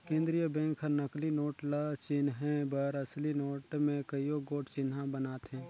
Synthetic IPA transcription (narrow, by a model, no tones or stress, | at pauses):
kẽːnd̪ɾijəbɛ̃ːŋkʰɦənəklinoːʈlat͡ʃɪnɦɛ̃bəɾɐslinoːʈmẽkəijoɡoːʈt͡ʃɪnɦãbənaːt̪ɦɛ̃ː